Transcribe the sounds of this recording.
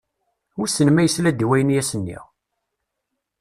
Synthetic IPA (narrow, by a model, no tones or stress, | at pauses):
ʊɾsənmæjəslæd̪iwæjənjæsənːḭʁ